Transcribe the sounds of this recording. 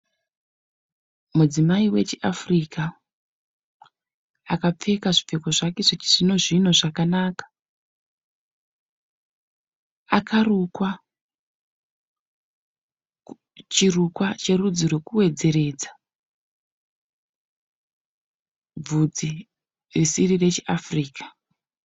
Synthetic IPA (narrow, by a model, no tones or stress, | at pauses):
mud͡zimaiwe̞t͡ʃiʔafrika | akap͡fe̞kaʐip͡fe̞koʐakeʐot͡ʃiʐino̞ʐino̞ʐakanaːkḁ | akʰarukwa | t͡ʃirukwat͡ʃe̞rud͡zirwe̞kuwe̞d͡ze̞ɾe̞d͡za | b͡vud͡zi | risirire̞t͡ʃeʔafriːkḁ